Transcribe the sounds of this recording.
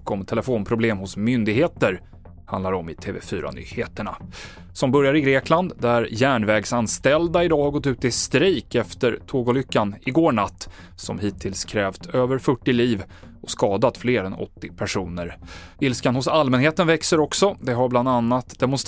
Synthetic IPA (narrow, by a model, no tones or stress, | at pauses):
kɔmt̪ʰɛlɛfoːnpʰɾʊbleːmhʊsmʏnd̪ɪɡheːt̪əɾ | hand̪aɾɔmːɪt̪ʰeːvɛ̰fy̰ːɾa̰nʏ̰heːt̪əɳa̰ | sɔmbœɾjaɾɪɡɾeːkland̪d̪æɾjæːɳvɛːɡsanst̪ɛld̪aɪd̪ɑːɡɔt̪ːʉ̟ːt̪ɪst̪ɾiːkɛft̪əɾt̪ʰoːɡʊlʏkːanɪɡoːɳat̪ː | sɔ̰mhiːt̪ʰɪlskʰɾɛːvt̪ʰøːvəɾfœʈːɪliːv | ɔskɑːd̪at̪fleːɾɛnɔ̰t̪ːɪpʰæʂuːnəɾɪlskanhʊsalmɛnheːt̪ənvɛksəɾɔksɔd̪ɛɦabland̪anːat̪d̪ɛmɔnst̪